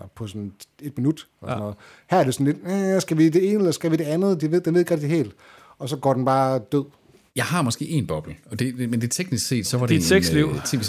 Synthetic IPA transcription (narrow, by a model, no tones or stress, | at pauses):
pʰɒ̽sɒ̽ne̝d̥minud̥ɒsɔnɔ̽ːð̩ˠ | hæɐɐɾ̥e̝sɒ̽n̩le̝d̥æsɡ̥æʋid̥e̝e̝ːnəelɐsɡ̥æʋiɾ̥e̝ænð̩ˠd̥eʋe̝ð̰ˠd̥enʋe̝̰eɡʁɛɡ̥̚d̥ihe̝̰ːld̥ | ɒ̽sɒ̽ɡ̥ɒ̰ːd̥enb̥ɑ̈ːd̥øð̰ˠ | jɑ̈ɪɦɑ̈mɒ̽sɡ̥e̝̰ːe̝nb̥ɒ̽b̥l̩ɒ̽d̥e̝mend̥e̝t͡sʰeɡ̥nisɡ̥se̝̰ːd̥sɒ̽ʋɑ̈dei̥seɡ̥sliʊ̰t͡sʰe